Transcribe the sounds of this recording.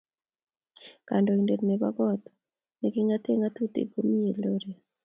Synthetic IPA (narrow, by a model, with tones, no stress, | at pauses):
ka˨ndo˨i˨nde˨tne˨ba̰˦ɡɔ˦t̪ | ne˨ki˦ŋa˦t̪e˦ŋa˦t̪u˦t̪ḭ˨ko˦mi˦e˨loɾe˨